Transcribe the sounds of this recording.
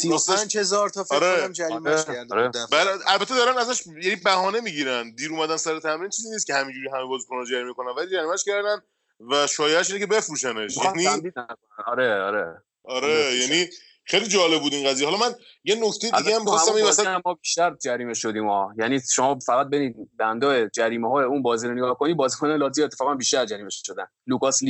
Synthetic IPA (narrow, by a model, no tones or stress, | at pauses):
sisænd͡ʒhe̞zɒɾt̪ʰɒfeɾeæmd͡ʒæɾimæʃæɾd̪ɾebælælbæt̪ʰed̪ɒːɾænæzæʃ | jænibæhɒːne̞miːɟiːɾænd̪iːɾuːmæd̪ænsæɾet̪ʰæmɾint͡ʃʰiːziːnist̪cʰehæmid͡ʒuːɾiɦæmebɒːzikʰonnd͡ʒæɾiːmeko̞nænvæliːd͡ʒæɾiːmæʃcʰæɾd̪æn | væʃɒːjeæʃinecʲʰebe̞fɾuːʃæneʃjæniæmd̪iːd̪ | nɒɾeɒ̰ɾḛ | ɒɾejæni | xejlid͡ʒɒːle̞b̚buːd̪iːnɢæzijehɒlɒmæn | jenocʰt̪e̞jidæiɡeæmixɔsææmiæmmɒːbiːʃt̪æɾd͡ʒæɾiːmeʃod̪iːmɒːjæniːʃomɒːfæɣæt̪̚beniːd̪bænd̪ɒːed͡ʒæɾiːmeɦɒːjeunbɒːziːɾoneɡɒːhko̞nibɒːzikʰonelɒːt̪̬ʰijet̪ʰːe̥fɒːɣænbiːʃt̪æɾd͡ʒæɾiːmeʃʃod̪æn | lukɒsli